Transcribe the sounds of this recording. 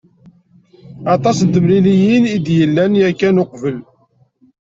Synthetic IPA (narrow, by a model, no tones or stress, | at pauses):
ɑt̪ˤɑsənt̪əmɾilijinid̪jəlːænjækːænoqvəl